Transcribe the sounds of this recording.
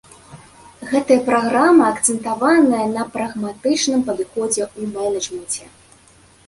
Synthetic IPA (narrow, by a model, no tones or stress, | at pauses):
ɣɛt̪ɐjɐpɾaɣɾamɐːkt̪sɛnt̪avanɐjɐnɐpɾɐɣmat̪ɨt͡ʂnɨmpɐd̪ɨxɔd͡zʲɛumɛnʲɐʐmɨnt͡sʲɛ